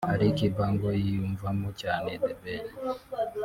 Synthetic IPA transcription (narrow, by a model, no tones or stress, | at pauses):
haɾikibaːŋɡojijuɱvamocaːned̪ebene